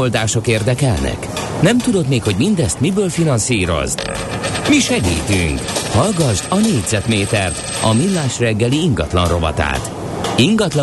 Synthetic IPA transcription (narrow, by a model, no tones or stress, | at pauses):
old̪aːʃo̞keːrd̪ɛkɛlnɛ̰k | nɛmt̪ud̪ot̪meːkho̞ɟmind̪ɛst̪mibøːlfinɒnsiːɾo̞̰z | miʃɛɡḭːt̪y̰ŋkhɒlɡɒʒd̪ɒneːɟzɛt̪meːt̪ɛrt̪ | ɒmilːaːʃrɛɡːɛliiŋɡɒt̪lɒnro̞vɒ̰t̪a̰ːt̪ | iŋɡɒt̪lɒ